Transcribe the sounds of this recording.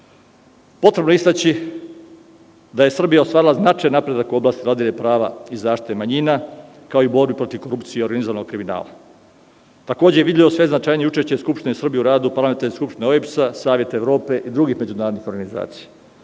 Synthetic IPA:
po̞t̪ɾe̞bnoeist̪at͡ɕi | d̪aje̞sr̩bijaost̪ʋaːɾilˠaznat͡ʃajnapɾe̞d̪akuo̞blaːst̪ivlad̪ilepɾaːʋa̰izaːʃt̪i̥t̪e̞maɲina | kaoiubo̞ɾbipɾo̞t̪iʋko̞ɾupt̪sijeoɾɡanizoʋanoɡ̚kɾimina̰ːla̰ | t̪akoːd͡ʑejeʋid̪ʲelʲiʋo̞sʋeznat͡ʃaːjnieut͡ʃe̞ʃt͡ɕeskupʃt̪inesr̩bijeuɾaːd̪upaɾlament̪aɾne̞skupʃt̪ineoepsasaːʋje̞t̪eʋɾo̞ːpe̞ʔid̪ɾuɡixme̞d͡ʑunaːɾd̪nixo̞ɾɡaniza̰ːt̪si̥ja

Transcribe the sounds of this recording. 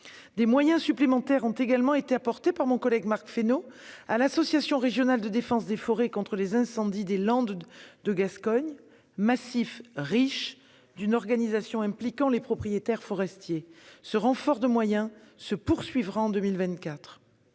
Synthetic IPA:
d̪emwajɛ̃syplemɑ̃t̪ɛʁɔ̃t̪eɡalmɑ̃et̪eapɔʁt̪epaʁmɔ̃kɔlɛɡmaʁkfenoalasɔsjasjɔ̃ʁeʒjɔnald̪əd̪efɑ̃sd̪efɔʁekɔ̃t̪χəlezɛ̃sɑ̃d̪id̪elɑ̃d̪d̪əɡaskɔɲ | masifʁiʃ | d̪ynɔʁɡanizasjɔ̃ɛ̃plikɑ̃lepχɔpχijet̪ɛʁfɔʁɛst̪jesəʁɑ̃fɔʁd̪əmwajɛ̃səpuʁsɥivʁaɑ̃d̪əmilvɛ̃t̪kat̪χ

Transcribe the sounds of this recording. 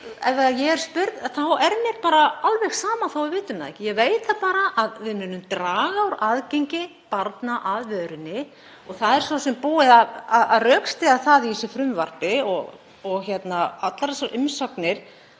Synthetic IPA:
ɛvvɛɣajɛɣɛɾ̥spʏɾt̪nθawɛɾnɛɾpaːɾaalvɛxsaːmaθowɪvɪːt̪ʏmaðɛ̰hcɪjɛɣveːjt̪θaðpaːɾaʔaðvɪðmʏnːʏmt̪ɾaːɣawɾaðcejɲcɪ | paɾt̪naʔaðvœːðɾʏnːɪ | ɔɣθaðɛɾ̥sasɛmpuːɪðaaðarœːkst̪ɪɣaθaðiisʏfɾʏmvar̥pɪɔɣ | ɔɣçɛt̪naat̪laɾasaɾʔʏmsœknɪɾ̥

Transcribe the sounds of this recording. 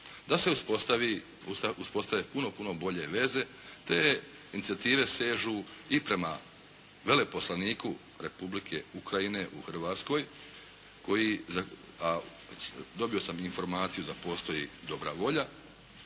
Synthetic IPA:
d̪ase̞uspost̪aʋi | usauspo̞st̪ajepuno̞puno̞bo̞ʎe̞ʋe̞ze̞ | t̪e̞ | init̪siat̪iːʋe̞seːʒu | ipɾe̞ma | ʋe̞le̞po̞slaniːku | ɾe̞publikʰe̞̰ukɾaine̞ʔṵxr̩ʋat̪sko̞j | ko̞jiza | a | d̪o̞bio̞saminfo̞ɾmaːt̪sijud̪apo̞ːst̪o̞ḭd̪o̞bɾa̰ʋo̞ʎa

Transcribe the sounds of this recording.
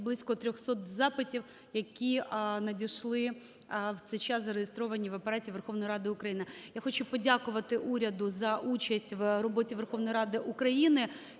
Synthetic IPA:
blˠɪsʲkɔt̪ɾʲɔxsɔt̪zɑpɪtʲiw | jɐkʲinɐdʲiʃlˠɪ | wt̪sɛjt͡ʃɑszɐɾejest̪ɾɔʋɐnʲiʋɐpɐɾɑtʲiʋerxɔʋnɔjɾɑd̪ɪʊkɾɐjinɪjaxɔt͡ʃʊpɔdʲakʊʋɐt̪ɪʔuɾʲɐd̪ʊzɐʔut͡ʃɐsʲtʲʋrɔbɔtʲiʋerxɔʋnɔjɾɑd̪ɪʔukɾɐjinɪ

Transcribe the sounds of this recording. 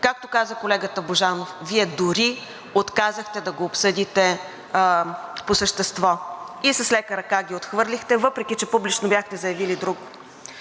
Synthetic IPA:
kak̚t̪okazəkolɛɡət̪əboʒanofviɛd̪ʊɾi | ot̪kazəxt̪ɛd̪ɐɡoːpsɤd̪it̪ɛ | posəʃt̪ɛst̪vɔisəslɛkəɾɐkaɡʲiot̪xvɤɾlixt̪ɛvɤpɾɛk̟ʲit͡ʃɛpublit͡ʃnobʲjaxt̪ɛzɐjɐvilid̪ɾuk

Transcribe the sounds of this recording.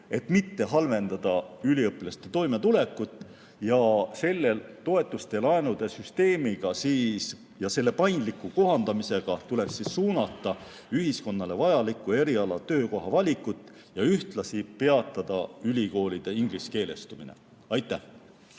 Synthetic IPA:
e̞t̪mit̪ːe̞ɦɑlve̞nd̪̥ɑd̪̥ɑylʲiɤpːˑilɑst̪e̞t̪o̞jme̞t̪ule̞kːˑut̪ːˑ | jɑse̞lːe̞lt̪o̞e̞t̪ˑːust̪e̞lɑenud̪̥e̞syst̪e̞ːmiɡ̥ɑsiːs | jɑse̞lːe̞pɑjnd̪likːˑuko̞ɦɑnd̪̥ɑmise̞ɡ̥ɑt̪ule̞ksissuːnɑt̪ːˑɑ | yɦisko̞nːɑle̞vɑjɑlikːˑue̞ɾiɑlɑt̪ø̞ːko̞ɦɑvɑlʲikːˑut̪ːˑ | jɑyht̪lɑsipe̞ɑt̪ːˑɑd̪̥ɑylʲiko̞ːlid̪̥e̞iŋɡliske̞ːle̞st̪umine̞̰ | ɑjt̪ːˑæh

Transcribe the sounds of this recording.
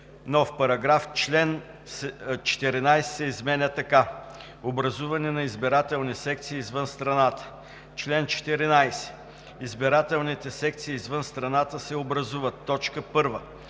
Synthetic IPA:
nɔfpɐɾɐɡɾaft͡ʃlɛn | sɛt͡ʃɛ̥t̪ɛɾinajsɛ̥sɛizmɛnʲət̪ɐka | obɾɐzuvɐnɛnɐizbiɾat̪ɛlˠnisɛk̚t̪siːzvɤnst̪ɾɐnat̪ə̥ | t͡ʃlɛnt͡ʃɛ̥t̪ɛɾinajsɛ̥ | izbiɾat̪ɛlˠnit̪ɛsɛk̚t̪siːzvɤnst̪ɾɐnat̪əsɛobɾɐzuvɐt̪ːɔt͡ʃkəpɤɾvə

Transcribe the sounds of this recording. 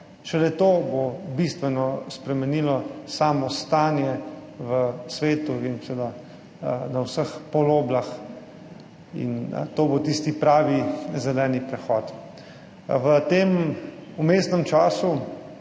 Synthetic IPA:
ʃɛlɛt̪oːbobist̪ʋɛnɔspɾɛmɛniːlɔsaːmɔst̪aːnjɛʋəsʋeːt̪uinsed̪a | nawsəxpɔloːblax | ḭnt̪oːbot̪ist̪ipɾaːʋizɛlɛːnipɾɛxɔːt̪ | ʋət̪eːmumesnɛmt͡ʃaːsu

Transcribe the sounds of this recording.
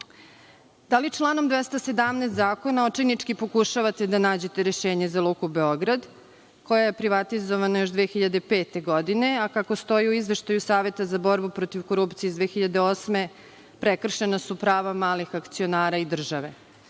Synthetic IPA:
d̪alit͡ʃlˠaːnomd̪ʋest̪ase̞d̪amnest̪zaːko̞naot͡ʃinit͡ʂkipo̞kuʃaʋat̪ed̪anaːd͡ʑe̞t̪e̞ɾeʃeːɲe̞zalˠukubeo̞ɡɾad̪ | ko̞jaje̞pɾiʋat̪izo̞ʋanajo̞ʃd̪ʋexiʎad̪e̞peːt̪e̞ɡod̪ine̞akakost̪o̞jiuizʋe̞ʃt̪ajusaːʋe̞t̪azabo̞ɾbupɾot̪iʋko̞ɾupt̪sijeizd̪ʋeːxiʎad̪eoːsme̞ | pɾekr̩ʃe̞nasupɾaːʋamaːlixakt̪sionaːɾaid̪r̩ʒaʋe̞

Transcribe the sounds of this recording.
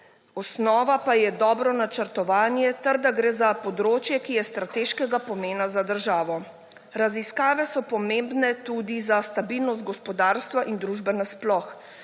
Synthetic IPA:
ɔsnɔːʋapajɛd̪ɔːbɾɔnat͡ʃəɾt̪ɔʋaːnjɛt̪ɛɾd̪aɡɾeːzapɔd̪ɾoːt͡ʃjɛkijɛst̪ɾat̪eːʃkɛɡapɔmeːnazad̪əɾʒaːʋɔ | ɾaziskaːʋɛsɔpɔmembnɛt̪ud̪izast̪abilnɔst̪̚ɡɔspɔd̪aːɾst̪ʋaʔind̪ɾuʒbɛnasplɔx

